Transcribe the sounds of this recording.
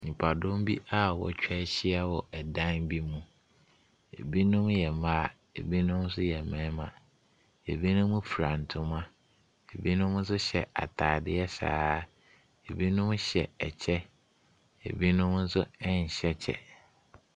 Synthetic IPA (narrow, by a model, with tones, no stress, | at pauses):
ɲĩ˨pʰa˨dʊ̃˦mbi˦ʔa˦wɔ̰˨t͡ɕᶣʰɛ˦ɕɪ˦a˦wɔ˨ʔɛ˨dã˦nbi˦mũ˦ | ḛ˨bi˦nʊ̃˦mjɛ˨mã˦˨ | e˨bi˦nʊ̃˦m˦s̬ʊ˦jɛ˨mɛ̃˨˦mã̰˨ | e˨bi˦nʊ̃˦m̃˦fʰu˨ɾã˨n˨tʰʊ̃˦mã˦ | e˨bi˦nʊ̃˦mn̩˦s̬ʊ˦ɕɛ˨a̰˨tʰaː˨dɪ˦ɛ˦sa̰ː˦˨˦ | e˨bi˦nʊ̃˦mɕɛ˨ɛ˨t͡ɕʰɛ˦ | ḛ˨bi˦nʊ̃˦mn̩˦sʊ˦ɛ˦ɲ̩˨ɕɛ˦t͡ɕʰɛ̰˨